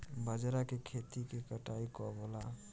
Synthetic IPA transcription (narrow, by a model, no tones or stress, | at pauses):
bəd͡ʒɾakekʰet̪ikekəʈaikɔbɔla